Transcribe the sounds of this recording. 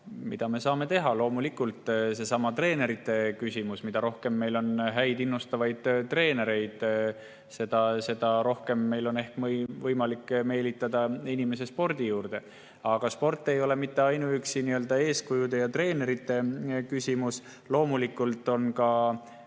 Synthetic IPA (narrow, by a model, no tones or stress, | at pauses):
mḭd̪̥ɑme̞sɑːme̞t̪e̞ɦɑlo̞ːmulikːˑult̪ːˑse̞sɑmɑt̪re̞ːne̞ɾit̪ːˑe̞kysʲimusmid̪ɑɾo̞hke̞mːe̞jlo̞nɦæjd̪inːust̪ɑvɑjd̪̥̚t̪ːre̞ːne̞ɾe̞jd̪̥ | se̞d̪̥ɑse̞d̪ɑɾo̞hke̞mːe̞jlo̞ne̞hkvɤjmɑlikːˑme̞ːlit̪ːˑɑd̪̥ɑinime̞s̬e̞spo̞rd̪̥ijuːɾd̪̥e̞ | ɑɡ̥ɑspo̞rt̪ːˑe̞jo̞le̞mit̪ːe̞ɑjnuyksiniøld̪̥ɑe̞ːskujud̪e̞jɑt̪re̞ːne̞ɾit̪ːe̞kysʲimus | lo̞ːmulikːˑult̪ːˑo̞nkɑ